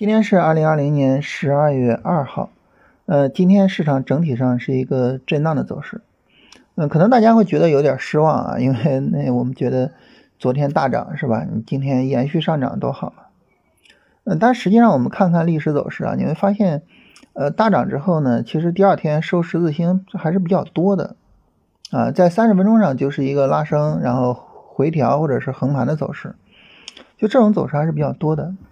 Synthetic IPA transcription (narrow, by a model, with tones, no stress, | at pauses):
t͡ɕi˥nt̪ʰjɛ˥nʂɻ̩˥˧ɐ˞˥˩li˧˥ŋɐ˥˩li˧˥ŋnjɛ˧˥nʂɻ̩˧˥ɐ˥˧ɥɛ˥˧ʔɐ˥˧xɑ˥˩ʊ | ə˧t͡ɕi˥nt̪ʰjɛ˥nʂɻ̩˥˩ʈ͡ʂʰɑ˨˩ŋʈ͡ʂɤ˧˥ŋt̪ʰi˨˩ʂɑ˥˧ŋʂɻ̩˥˩i˧˥ɡə˧ʈ͡ʂe˥˧ɪna˥˩ŋd̪ə˩t͡so˨˩ʊʂɻ̩˥˩ | ə˥˩kʰɤ˨˩nɤ˧˥ŋt̪a˥˩t͡ɕja˥xwe˥˩ɪt͡ɕɥɛ˧˥d̪ə˧jo˧˥ʊt̪jɑ˨˩ʂɻ̩˥wɑ˥˩ŋɐ̰˩i˥nwe˥˩ɪne˥˩ɪwɔ˨˩mə˦nt͡ɕɥɛ˧˥d̪ə˧ | t͡swɔ˧˥t̪ʰjɛ˥nt̪a˥˩ʈ͡ʂɑ̰˨˩˦ŋʂɻ̩˥˩bɐ˩ni˨˩t͡ɕi˥nt̪ʰjɛ˥njɛ˧˥nɕy˥˧ʂɑ˥˩ŋʈ͡ʂɑ̰˨˩ŋt̪o˥ʊxɑ˨˩ʊmɐ˦ | na˥˧t̪a˥˩ʂɻ̩˧˥t͡ɕi˥˧ʂɑ˥˩ŋwɔ˨˩mə˦nkʰa˥˧nkʰa˥˧nli˥˩ʂɻ̩˧˥t͡so˨˩ʊʂɻ̩˥˩ɐ̰˩ni˧˩˥xwe˥˩ɪfa˥ɕjɛ˥˩n | ə˧t̪a˥˩ʈ͡ʂɑ̰˨˩ŋʈ͡ʂɻ̩˥xo˥˩ʊnə˩t͡ɕʰi˧˥ʂɻ̩˧˥t̪i˥˧ɐ˞˥˧˩t̪ʰjɛ˥nʂo˥ʊʂɻ̩˧˥t͡sɹ̩˥˩ɕi˥ŋxa˧˥ɪʂɻ̩˥˩pi˧˩t͡ɕjɑ˥˩ʊt̪wɔ˥d̪ə̰˨˩ | ɐ̰˧t͡sa˥˩ɪsa˥nʂɻ̩˧˩fə˥nʈ͡ʂʊ˥ŋʂɑ˥˧ŋt͡ɕjo˥˧ʊʂɻ̩˥˩i˧˥ɡə˧la˥˩ʂɤ˥ŋɻa˧˥nxo˥˩ʊxwe˧˥ɪt̪ʰjɑ˧˥ʊxwɔ˥˩ʈ͡ʂɤ˨˩ʂɻ̩˥˩xɤ˧˥ŋpʰa˧˥nd̪ə˧t͡so˨˩ʊʂɻ̩˥˩ | t͡ɕjo˥˧ʊʈ͡ʂɤ˥˩ʊ˧˥ŋt͡so˨˩ʊʂɻ̩˥˩xʂɻ̩˥˩pi˧˩t͡ɕjɑ˥˩t̪wɔ˥d̪ə˨